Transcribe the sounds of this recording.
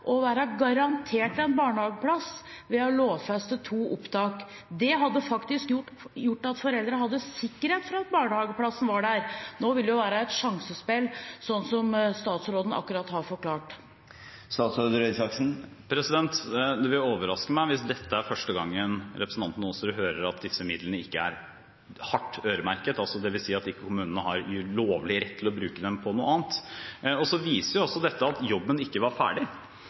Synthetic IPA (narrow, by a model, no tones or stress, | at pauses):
ʔɔʋæːɾəɡɑɾɑnt̪ʰeːʈɛnbɑːɳəhɑːɡəpʰlɑsʋɛɔloːʋfɛst̪ət̪ʰuːʔʊpt̪ʰɑːk | d̪ɛɦɑd̪ːəfɑkt̪ɪskjʊ | jʊʈːɑt̪fɔɾɛld̪ɾəhɑd̪ːəsɪkːəɾheːt̪fɾɑɑt̪̚bɑːɳəhɑːɡəpʰlɑsːən̩ʋɑɖæɾnoːʋɪld̪əjʊʋæːɾəɛt̪ʂɑŋsəspɛlːsɔnːsɔmst̪ɑːt̪sɾoːd̪ən̩ɑ̰kːʉɾɑt̪hɑɾfɔɾkʰlɑːʈ | st̪ɑːt̪sɾoːd̪əɾɛsɑksn̩pʰɾɛsɪd̪ɛnt̪d̪ʉʋɪloːʋəɾɑskəmæɪʋɪsd̪ɛt̪ːəæɾfœʂʈəɡɑŋːənɾɛpɾəsn̩t̪ʰɑnt̪ənɔsɔɾʉɦøːɾəɾɑt̪lɪfsəmɪd̪lənəɪkːəæ̰ɾ | hɑʈːøːɾəmæɾkət̪ɑlsɔd̪ɛʋɪlsiːɑt̪ɪkːəkʊmʉːnənəhɑɾjʉloːʋəlɪɾɛt̪ʰːɪlɔbɾʉːkəd̪ɛmpʰɔnuːəɑːnt̪ɔsɔʋiːsəɾjʊɔsːɔd̪ɛt̪ːəɑt̪jɔbːənɪkːəʋɑɾfæ̰ːɖɪ